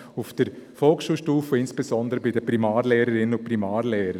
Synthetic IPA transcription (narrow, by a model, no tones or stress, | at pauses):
ʊfd̥əɾfɔlksʃuːlʃtuːfəɪnsb̥ezɔndəɾəbɪdəpɾimaːɾlɛːɾəɾɪnəʊprimaːɾlɛːɾə